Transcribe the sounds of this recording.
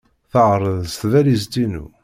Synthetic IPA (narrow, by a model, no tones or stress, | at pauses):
θəʁɾˤəðst̪ðælizt̪inṵ